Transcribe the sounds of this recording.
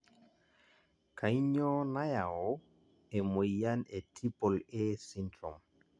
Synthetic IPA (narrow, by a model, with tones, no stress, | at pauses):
kʰa˨jɲɔ˦na˦jao | ɛ˨mo˨ja˦nɛ˨tʰi˦pɔ˨lɛ˦si˦ntɔ̰˨ŋ